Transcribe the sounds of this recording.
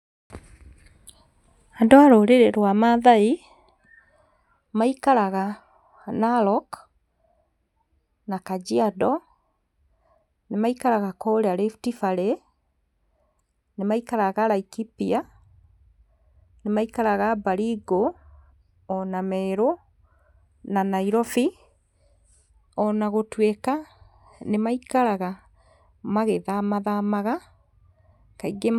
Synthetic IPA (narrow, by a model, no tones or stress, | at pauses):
andoaɾoːɾeɾeɾwamaðai | maikaɾaɣa | nalɔk | nakad͡ʒiadɔ | nemaikaɾaɣakɔɾeaɾeftifaɾe | nemaikaɾaɣaɾaikipia | nemaikaɾaɣabaɾiɡo | ɔnamɛɾo | nanaiɾɔfi | ɔnaɣotweka | nemaikaɾaɣa | maɣeðamaðamaɣa | kaiɡe